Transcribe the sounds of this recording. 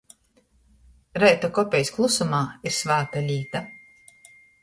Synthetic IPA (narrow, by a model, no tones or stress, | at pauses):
ɾɛjt̪akɔpʲɛjsklˠusumaːiɾsvaːt̪alʲiːt̪a